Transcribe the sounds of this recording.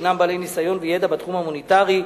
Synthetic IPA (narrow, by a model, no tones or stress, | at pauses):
nambalejnisajo̞nvejed̪abat̪χumamonit̪aʁi